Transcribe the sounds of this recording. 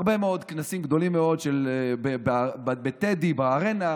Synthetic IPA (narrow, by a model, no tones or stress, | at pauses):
ʁbe̞meo̞d̪knasimɡd̪o̞limːeo̞dʃelbebbet̪ed̪ibeaʁena